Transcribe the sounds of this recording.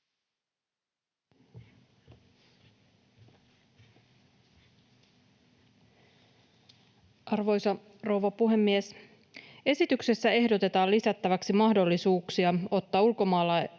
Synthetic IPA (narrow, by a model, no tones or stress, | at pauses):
ʔɑrʋo̞jsɑ | ro̞wʋɑpuɦe̞mːies | e̞sit̪ykse̞sːæe̞hdo̞t̪e̞t̪ɑːlisæt̪ːæʋæksimɑhdo̞lːisuːksiɑo̞t̪ːɑːulko̞mɑːlːɑ